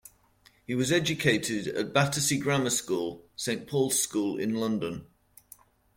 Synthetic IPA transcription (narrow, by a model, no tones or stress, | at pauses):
hiwɒzɛd͡ʒəkʰeɪtʰɪdə̰ʔb̥atəsiɡɹaməskuːlˠsẽɪ̃npʰɔːlˠz̥skuːlɪ̰̃nlʌ̃ndə̃n